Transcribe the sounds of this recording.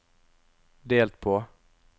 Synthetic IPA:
d̪eːlt̪̚pʰɔ

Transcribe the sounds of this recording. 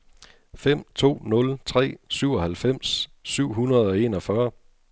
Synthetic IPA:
fem̰t͡sʰo̝̰ːnɔ̽lt͡sʰʁɛ̰ːsyʊ̰ɒ̽hælfem̰sːyʊ̰ɦunɐð̞̩ˠɒ̽e̝nɒ̽fɶɐ

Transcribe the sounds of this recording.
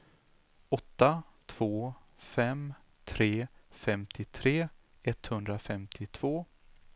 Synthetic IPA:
ɔt̪ːat̪ʰv̥oːfɛm | t̪ʰɾeːfɛmt̪ʰɪt̪ʰɾeː | ɛt̪hɵnd̪ɾafɛmt̪ʰɪt̪ʰv̥oː

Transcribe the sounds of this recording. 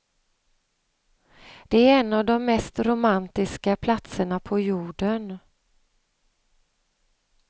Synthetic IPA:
d̪̥ɛæɾɛnːavd̪ɔmːɛst̪ɾʊmant̪ɪskapʰlat̪səɳapʰɔjuːɖən

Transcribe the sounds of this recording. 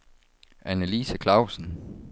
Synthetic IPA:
ʔænəliːsækʰlɑ̈ʊ̰sn̩

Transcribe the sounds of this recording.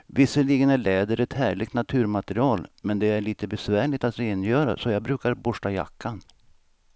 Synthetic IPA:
vɪsːəliːɡənæɭɛːd̪əɾɛt̪hæːɭɪɡt̪nat̪ʰʉ̟ːɾmat̪əɾɪɑːlmɛnd̪ɛæɭiːt̪əbɛsvæːɭɪt̪at̪ɾeːnjœːɾa̰sɔjɑːɡbɾʉ̟ːkaɾbʊʂʈaja̰kʰːan

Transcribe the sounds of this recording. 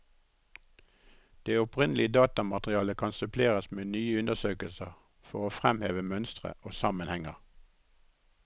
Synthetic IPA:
d̪̥eːʊpʁɪnlɪəd̪ɑːt̪ɑmɑt̪ʁɪɑːləkʰɑnsʉpʰleːʁəsmeːnyːəʉnəsøːkəlsəʁ | fɔʁoːfʁɛmheːʋəmœnst̪ʁə̰ʔoːsɑmənhɛŋəʁ

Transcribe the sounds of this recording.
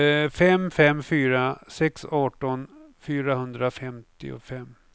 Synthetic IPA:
fɛmfɛmːfyːɾasɛksɑːʈɔnfyːɾahɵnd̪ɾafɛmt̪ɪ̰ʊ̰fɛmː

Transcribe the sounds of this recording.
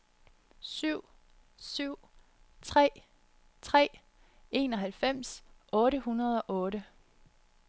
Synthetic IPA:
syʊ̰ | syʊ̰ | t͡sʰʁɛ̰ː | t͡sʰʁɛ̰ː | e̝̰ːnɒ̽ɦælfem̰sʔɔ̽ːɾəɦunɐð̞ˠɒ̽ʔɔ̽ːɾə

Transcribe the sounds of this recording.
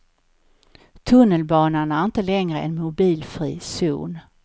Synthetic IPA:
t̪ʰɵnːəlbɑːnaɳæɾɪnt̪əlɛŋɾəʔɛ̰nmʊbiːlfɾḭːsṵːn

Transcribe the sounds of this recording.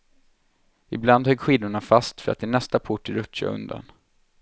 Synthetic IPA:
ɪbland̪hœɡːɧiːd̪ʊɳafast̪fœɾa̰t̪ːɪnɛst̪apʰʊʈːɪɾɵtt͡ʃːa̰ɵ̰nd̪a̰n

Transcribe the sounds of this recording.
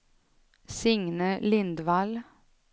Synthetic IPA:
sɪŋnəlɪnd̪ʋɑl

